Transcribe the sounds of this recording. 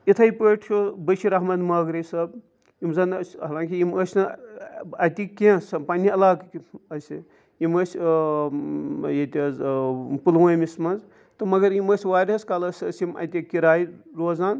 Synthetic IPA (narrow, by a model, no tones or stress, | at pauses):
it̪ʰɐjpəʈʰt͡ʃʰobɐʃʰiɾɐɦmɐd̪mɐːɡɾɐsɐb | imzɐnsʲɦɐlãːŋkʲijiməsʲnɨ | ɐt̪ʲikẽsɐmpɐnʲːiɐlaːkɐsʲi | jimɐsʲ | jet̪ʲɐzpulwɐmismɐnz | t̪ɨmɐɡɐɾjiməsʲʋaːɾʲɐskalɐsɐsimɐ̰t̪ʲikiɾaːjɾoːzaːn